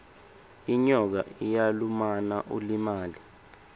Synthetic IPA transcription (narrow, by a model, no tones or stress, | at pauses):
iɲɔk̬a̰ʔijalumanaʔulimaːli